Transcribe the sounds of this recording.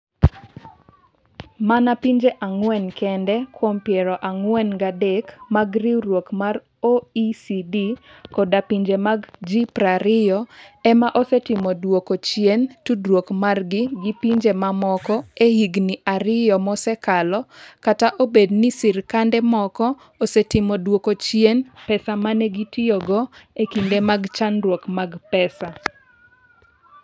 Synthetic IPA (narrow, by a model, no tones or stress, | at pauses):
manapiɲd͡ʒeʔaŋwɛnkʰɛndɛkwompjɛɾɔʔaŋwɛnɡadɛkmaɡriɾwokmar | oisidikɔdapiɲd͡ʒemaɡd͡ʒipɾaɾɪjɔɛmaʔɔsɛtɪmɔdwokot͡ʃjentudwokmarɡɪɡipiɲd͡ʒemamɔkɔehiɡniʔaɾɪjɔmɔsɛkalɔkataʔobednisirkandɛmɔkɔ | osetɪmɔdwokot͡ʃjenpɛsamanɛɡitɪjoɡɔekindemaɡt͡ʃanɾwokmaɡpɛsa